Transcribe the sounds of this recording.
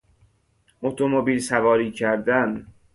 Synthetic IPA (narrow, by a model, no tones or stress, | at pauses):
ʔot̪ʰomobiːlsævɒːɾiːcʰæɾd̪æn